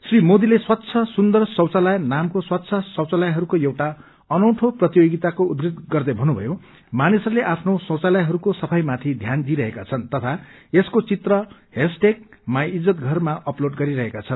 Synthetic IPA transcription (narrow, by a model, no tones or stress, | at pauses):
srimod̪ileswat̪ːt͡sʰʌsund̪ʌrsʌwt͡salajnamkoswat̪ːsʰʌsʌwt͡salajɦʌɾukojewʈa | ʌnʌwʈʰoprʌt̪ijoɡit̪akoud̪ɾed̪̚ɡʌrd̪ʌbʱʌnːubʱʌ̰jo | manisʌɾuleʔapʰnosʌwt͡salajɦʌɾukosʌpʰʌjmat̪ʰid̪ʱjand̪iɾʌɦekat͡sʰʌnt̪ʌt̪ʰaeskot͡sit̪rʌ | ɦesʈek̚majid͡zʌt̪̚ɡʱʌrmaʔʌploɖɡʌɾiɾʌɦekat͡sʰʌn